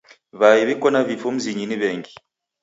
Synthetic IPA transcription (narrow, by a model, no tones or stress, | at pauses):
βajiβikɔnaβifum̩ziɲiniβɛːŋɡi